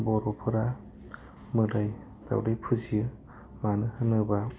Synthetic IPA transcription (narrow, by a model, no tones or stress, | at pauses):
bɔɾɔpʰɯɾa | mɯdaj | da̰wdajpʰuziɯ | manɯhɯnɯba